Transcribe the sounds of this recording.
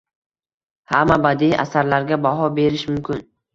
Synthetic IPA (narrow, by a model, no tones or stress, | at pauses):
hamːabad̪iʔa̰saɾlaɾɡʲabaɦɒbe̞ɾɪʃmʊmkʲʰɪn